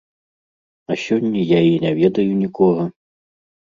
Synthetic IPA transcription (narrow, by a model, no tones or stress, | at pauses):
ɐsʲɔnʲːɐjainʲɛvʲɛd̪ɐjunʲikɔɣɐ